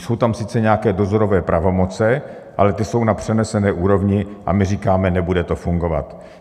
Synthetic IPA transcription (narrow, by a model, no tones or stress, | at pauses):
so̞wt̪amsɪt͡sɛɲɛakɛːdo̞zo̞ɾo̞vɛːpɾʔavo̞mot͡sɛ | ʔa̰lɛt̪ɪso̞wnapr̝̥ɛnɛsɛnɛːʔuːɾo̞vɲɪʔa̰mɪriːkaːmɛnɛbudɛt̪o̞fuŋɡo̞va̰t̪